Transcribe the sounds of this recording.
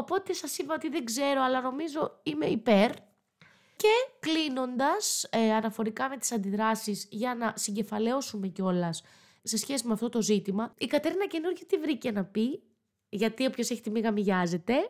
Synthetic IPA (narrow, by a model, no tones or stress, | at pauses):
opo̞t̪e̞sɐsipɐot̪iðeŋɡze̞ɾo̞ɐlɐno̞mizoime̞ipe̞ɾ | ce̞klino̞nd̪ɐsɐnɐfo̞ɾikɐme̞t̪i̥sɐnd̪iðɾɐsizʝɐnɐsiɲɟe̞fɐle̞o̞sume̞ceo̞lɐs | se̞sçe̞simeɐft̪ot̪o̞zit̪imɐikɐt̪eɾinɐce̞nuɾʝot̪ivɾice̞nɐpi | ʝɐt̪iopço̞seçi̥t̪emiɣɐmiʝɐze̞t̪e̞